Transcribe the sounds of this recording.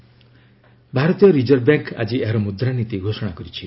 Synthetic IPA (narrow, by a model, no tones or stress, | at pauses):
bʱaɾɔt̪ijɔɾid͡ʒɔɾbaŋka̰d͡ʒieɦaɾɔmud̪ɾanit̪iɡʱosɔɽ̃akɔɾit͡ʃʰi